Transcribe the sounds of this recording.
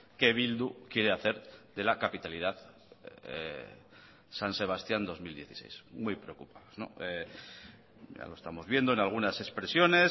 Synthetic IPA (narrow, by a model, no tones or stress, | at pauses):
ke̞β̞ild̪ukje̞ɾe̞aθe̞ɾðe̞lakapit̪alið̞að̰ | sanse̞β̞ast̪jand̪o̞zmild̪je̞θi̥se̞̰jsmujpɾeo̞kupaðozno̞̰e | ja̰lo̞est̪amo̞zβje̞nd̪o̞enalɣ̞unase̞spɾe̞sjo̞ne̞s